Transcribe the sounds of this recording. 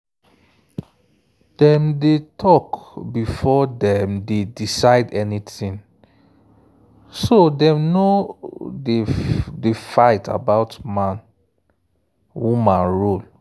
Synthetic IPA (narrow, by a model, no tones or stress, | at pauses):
d̥ɛ̃mdetʰɔkbifɔdɛ̃mdedisaɪdɛnitĩn | sodɛ̃mnodedefaɪta̰baʊtmãn | wumãnɹol